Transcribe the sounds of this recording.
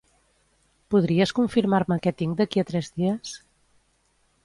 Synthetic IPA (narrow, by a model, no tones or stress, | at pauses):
puðɾiəskuɱfiɾmaɾməkɛt̪iŋd̪əkiət̪ɾɛzðiəs